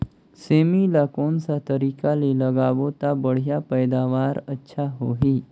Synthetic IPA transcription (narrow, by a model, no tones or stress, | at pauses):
semilakoɳsat̪əɾikaleləɡaʋot̪abəɽ̤japəjd̪aʋaɾətːɕʰaɦoɦiː